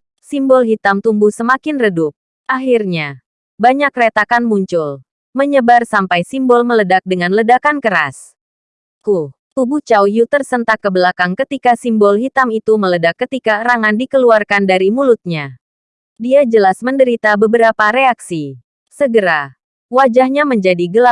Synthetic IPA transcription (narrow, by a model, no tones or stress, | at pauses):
simbɔlɦit̪amt̪umbuhsəmakɪnrədʊk̚ | aɦirɲa | baɲakret̪akanmuɲt͡ʃʊl | məɲəbarsampajsimbɔlmələdak̚dəŋanlədakankəɾa̰s | kut̪ubut͡ʃawjut̪ərsənt̪akːəbəlakaŋkət̪ikasimbɔlɦit̪amit̪umələdakːət̪ikaɾaŋandikəluarkandaɾimulʊt̪̚ɲa | diad͡ʒəlasməndəɾit̪abəbəɾapaɾeaksi | səɡəɾa | wad͡ʒahɲaməɲd͡ʒadiɡəla